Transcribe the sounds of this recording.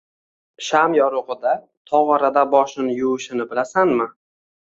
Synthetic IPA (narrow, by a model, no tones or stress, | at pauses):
ʃamjɒɾʊqɨd̪a | t̪ʰɒʁɑɾad̪abɒʃɪnɪjʊɪʃɪnɪbɪlasanmɪ